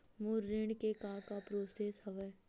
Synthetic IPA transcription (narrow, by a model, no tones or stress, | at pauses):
moɾːeɳkekãːkapɾoːsesɦəʋə